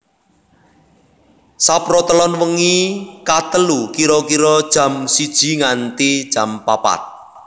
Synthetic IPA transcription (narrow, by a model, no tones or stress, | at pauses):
sapɾɔt̪əlɔnwəŋikat̪əlukiɾɔkiɾɔd̥ʒ̥ä̤msid̥ʒ̥i̤ŋant̪id̥ʒ̥ä̤mpapa̰t̪̚